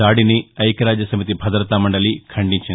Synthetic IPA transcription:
aːɽiniɐjkɐɾaːd͡ʒjɐsɐmit̪̬ibʱɐd̪ɾɐt̪amɐɳɖɐlikʰɐɳɖiɲt͡ʃin

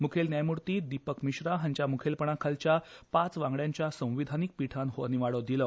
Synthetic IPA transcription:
mukʰelnjajmuɾt̪iːd̪ipəkmiɕɾaɦãɲt͡ɕjamukʰelpəɳ̃akʰalt͡ɕjapat͡sʋãŋɡɭjaɲt͡ɕjasə̃w̃ʋid̪ʱanik̚piʈʰanɦoniʋaɽəd̪ilə

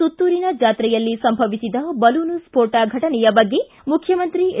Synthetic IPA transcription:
ut̪ːuːɾinɐd͡ʒaːt̪ɾɛjɐlːisɐmbʱɐʋisid̪ɐbɐlunuspʰoːɾʈaɡʱɐʈɐnɛjɐbɐɡːe | mukʰjɐmɐnt̪ɾi

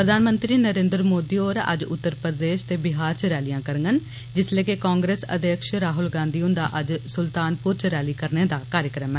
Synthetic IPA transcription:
pɾəd̪aːnmə̃nt̪ɾiːnəɾẽːnd̪ɾmoːd̪iːoːɾə̰d͡ʒʊ̰t̪ːəɾpɾəd̪eːʃt̪eːbɪɦaːɾt͡ʃəɾɛːlijãːkəɾəŋɡən | d͡ʒɪsleːkeːkaːŋɡɾeːsə̰d̪eːkʃɾaːɦʊlɡãːnd̪iːʊnd̪a̰ːʔəd͡ʒsʊlt̪aːnpʊɾt͡ʃəɾɛːliːkəɾneːd̪aːkaːɾjəkɾəmɛː

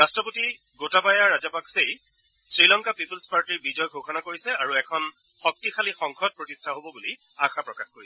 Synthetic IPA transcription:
ɹastɹɔpoti | ɡotabajaɹazapaksej | sɹilɔŋkapipulspaɹtiɹbid͡ʒɔjɡʱoxɔnakoɹisɛaɹuɛkʰɔn | xɔk̚tixʰalixɔŋkʰɔd̚pɹɔtistʰaɦobɔbuli | axʰapɹɔkaxkoɹisɛ

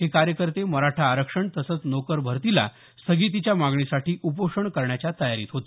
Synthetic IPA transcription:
ɦekaɾjəkəɾt̪eməɾaʈʰaːɾəkʂəɳt̪əsət͡snokəɾbʱəɾt̪ila̰ | st̪ʰəɡiːt̪̬it͡ɕjamaɡɳisaʈiːʔupoʂəɳkəɾɳjat͡ɕjat̪əjaɾḭːt̪ɦot̪i̥

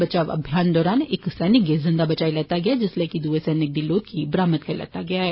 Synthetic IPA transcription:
ɐt͡ʃaːʋɐ̰bʱjaːnd̪ɔːɾaːnḛːksɛːnɪkɡezɪ̃nd̪abɐt͡ʃaːilɛːt̪aɡɐjad͡ʒɪslekid̪uːesɛːnɪɡ̚d̪iloːɡkibɾaːmət̪̚kʰɐɾlɛ̰ːt̪aɡɐjaɦɛː

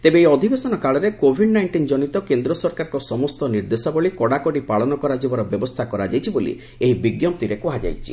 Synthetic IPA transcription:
t̪ebeeɔd̪ʱibesɔnɔkaɭɔɾekobʱiɖnajɳʈind͡ʒɔnit̪ɔkend̪ɾɔsɔɾkaɾɔkɔsɔmɔst̪ɔniɾd̪esɔbɔɭikɔɽakɔɽipaɭɔnɔkɔɾad͡ʒibɔɾɔbjɔbɔst̪ʰakɔɾad͡ʒajt͡ʃʰibolḭ | eɦibiɡjɔmt̪iɾekɔɦad͡ʒa̰jt͡ʃʰi̥

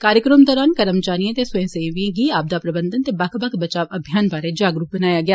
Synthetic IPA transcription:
kaːɾjəkɾəmd̪ɔːɾaːnkəɾəmt͡ʃaːnijãt̪eːsʊẽseːʋĩɡiːaːb̚d̪aːpɾəbənd̪ənt̪eːbakʰbəkbət͡ʃaːʋəbʱjaːnbaːɾeːd͡ʒaːɡɾuːk̚bənaːjaːɡɪaː

